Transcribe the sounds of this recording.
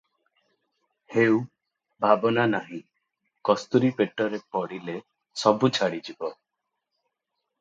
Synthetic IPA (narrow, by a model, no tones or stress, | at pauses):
hew | bʱabɔnanaɦĩ | kɔst̪uɾipeʈɔɾepɔɽile | sɔbut͡ʃʰaɽid͡ʒibɔ